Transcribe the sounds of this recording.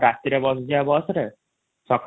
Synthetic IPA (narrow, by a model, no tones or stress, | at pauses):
ɾat̪ːiɾebɔsd͡ʒiabɔsɾe | sɔk